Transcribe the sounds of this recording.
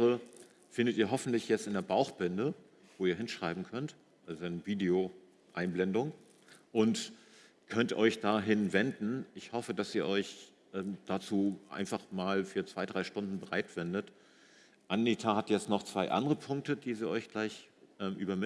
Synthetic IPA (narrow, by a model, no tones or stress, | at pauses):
ə | fɪndətiːɐɦɔfn̩tlɪçjɛt͡stɪndeːɐbaʊxb̥ɪndə | v̥oːiːɐɦɪnʃʁ̥aɪbm̩kʰœnt | ʔalzonəviːdeo | ʔaɪnblɛndʊŋ | ʔʊnt | kʰœntʔɔʏçd̥aːɦɪnvɛndn̩ʔɪçhɔfəd̥asiːɐʔɔʏç | ʔɛːmd̥aːt͡suːʔa̰ɪnfaχmaːlfyːɐt͡sv̥aɪdʁaɪʃtʊndn̩bəʁa̰ɪtv̥ɛndət | ʔanːitʰahatjɛt͡stnɔχt͡sv̥aɪʔa̰ndəʁəpʰʊŋk̚tədiːziːɔʏçɡ̥laɪçʔɛːmʔy̰ːbɐmɪ